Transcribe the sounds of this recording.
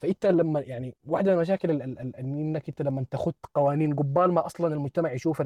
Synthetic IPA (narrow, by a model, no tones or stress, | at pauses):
faʔɪnt̪alamːajaʕniwaħd̪aalmaʃ̬aːkɪlalalalʔanʔɪnːakʔɪnt̪alamːant̪axʊd̪̚t̪qɑwaːniːnɡʊbːaːlmaʔɑsˤlɑnalmʊd͡ʒt̪amaʕjʃuːfa